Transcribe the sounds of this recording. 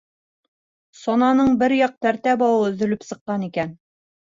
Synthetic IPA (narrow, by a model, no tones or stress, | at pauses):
sɒnɑnɤɴbɘɾjɑq̚t̪æɾt̪æbɑwɤɵ̆ðɵ̆lɵpsɤ̆qːɑnikæn